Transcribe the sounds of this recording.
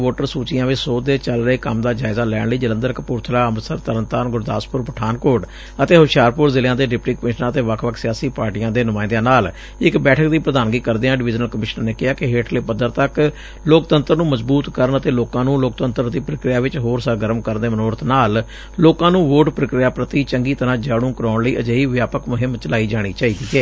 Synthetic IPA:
oːʈəɾsuːt͡ʃɪjãːʋɪt͡ʃsoːd̪eːt͡ʃəlɾəeːkəmd̪aːd͡ʒaːɪzaːlɛːɳləiːd͡ʒələ̃nd̪əɾkpʊɾt̪ʰlaːəmsəɾt̪əɾənt̪aːnɡʊɾd̪aːspʊɾpəʈʰaːnkoːʈ | ət̪eːɦʊʃjaːɾpʊɾzɪljãːd̪eːɖɪpʈiːkəmɪʃənãət̪eːʋəkʰʋəkʰsɪjaːsiːpaːɾʈijãːd̪eːnʊmãːɪ̃nd̪jãːnaːl | ɪkbɛːʈʰəkd̪iːpɾəd̪aːnɡiːkəɾd̪eːãːɖɪʋɪd͡ʒnəlkəmɪʃnəneːkɪɦaːkeɦeːʈʰleːpəd̪əɾt̪ək | loːkt̪ənt̪əɾnũːməzbuːt̪kəɾənət̪eːloːkãːnũːloːk̚t̪ənt̪əɾd̪iːpɾəkɾɪjaːʋɪt͡ʃɦoːɾsəɡəɾəmkəɾnd̪eːmənoːɾət̪naːlː | oːkãːnũːʋoːʈpɾəkɾɪjaːpɾət̪iːt͡ʃəŋɡiːt̪əɾãːd͡ʒaːɽũːkəɾaːɳləiːʔəd͡ʒəːiːʋjaːpəkmʊɦɪmt͡ʃəlaːiːd͡ʒaːɽ̃iːt͡ʃaːiːd̪iːɛː

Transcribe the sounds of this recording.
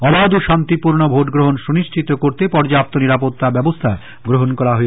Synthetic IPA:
ɔbad̪uʃant̪ipuɾnobʱoʈɡɾoɦonʃuniʃʈʰit̪okoɾt̪epɔɾd͡ʑap̚t̪oniɾapot̪ːabɛbost̪ʰae | ɡɾoɦonkɔɾaɦoe

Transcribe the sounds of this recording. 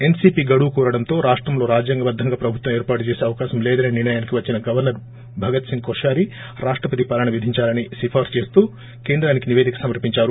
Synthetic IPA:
e̞nsiːpiɡɐɽukuːɾɐɽɐnt̪o̞ːɾaːʂʈɾɐmlo̞ːɾaːd͡ʒjaːŋɡɐbɐd̪ʱːɐŋɡaːpɾɐbʱut̪ʋɐmeːɾpaːʈut͡ʃeːseːɐʋɐkaːʃɐmlɛːd̪ɐneːniɾɳɐjaːnikiʋɐt͡ʃːinɐɡɐʋɐɾnɐɾ | bʱɐɡɐt̪siŋkoʂaːɾi | ɾaːʂʈɾɐpɐt̪ipɐlɐɳɐʋid̪ʱiɲt͡ʃaːlɐnisipʰaːɾt͡ʃe̞ːst̪uː | keːnd̪ɾaːnikiniʋeːd̪ʱikɐ̥sɐmɐɾpiɲt͡ʃaːɾu

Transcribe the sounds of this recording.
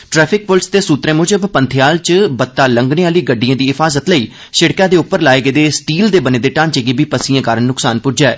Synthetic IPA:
ʈɾɛːpʰɪk̚pʊlst̪eːsuːt̪ɾẽːmʊd͡ʒəbpənt̪ʰɪjaːlt͡ʃbət̪ːaːləŋɡneaːliːɡəɖːijãːd̪iːɪpʰaːzət̪ləiː | ʃɪɽkãːd̪eːʊpːəɾlaːeːɡəːd̪eːsʈiːld̪eːbəneːd̪eːʈãːnt͡ʃeːɡeːbiːpəsĩjãːkaːɾənnʊksaːnpʊd͡ʒɛː

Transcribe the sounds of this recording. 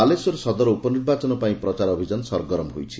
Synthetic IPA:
alesɔɾesɔd̪ɔɾɔupɔniɾbat͡ʃɔnɔpaĩpɾɔt͡ʃaɾɔbʱid͡ʒanɔsɔɾɡɔɾɔmɦojt͡ʃʰi̥

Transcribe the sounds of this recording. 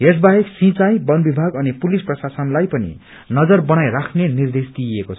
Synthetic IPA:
ɦes̬baɦeksĩt͡sajbʌnbibʱaɡʌnipulisprʌsasʌnlajpʌnḭ | nʌd͡zʌrbʌnajrakʰnenird̪esd̪iekot͡sʰ

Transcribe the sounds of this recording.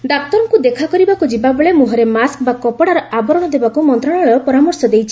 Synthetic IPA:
d̪ak̚t̪ɔɾɔŋkud̪ekʰakɔɾibakud͡ʒibabɔɭemuɦɔɾemask̚bakɔpɔɽaɾɔʔabɔɾɔɽ̃ɔd̪ebakumɔnt̪ɾaɽ̃ɔɭeɾɔpɔɾamɔɾsɔd̪ejt͡ʃʰi̥

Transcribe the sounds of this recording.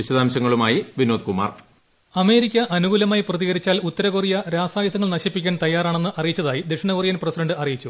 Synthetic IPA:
iɕɐðaːmɕɐŋːɐɭumaːjiʋinoːd̪kuma̰ːr | ɐme̞ːɾikʲːɐʔɐnuɣuːlɐmaːjprɐðiɣɐɾit͡ɕːaːlut̪ːɐɾɐɣorijɐɾaːsaːjɐd̪ʰɐŋːɐɭnɐɕipːikʲːaːnt̪ɐjːaːraːɳe̞nːɨʔɐrijit͡ɕːɐðaːjid̪eʂɐɳɐkorijaːnpresideɳɖɨɐrijit͡ɕːu

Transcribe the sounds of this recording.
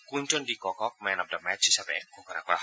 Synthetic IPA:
kuɲt͡ʃɔndikɔkɔk̚mɛnɔp̚damɛt͡ʃisapɛ̰kɔkanakɔla

